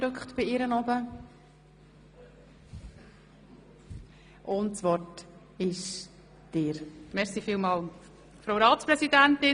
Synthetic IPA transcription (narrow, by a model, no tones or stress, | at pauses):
ɾʏkχtb̥ɪɪɾənɔbə | ʔʊntsʋɔt | ɪʃ | d̥ɪːɾmɛʁsifiːlmɑːl | fɾowɾɑːtspɾɛsidæntɪ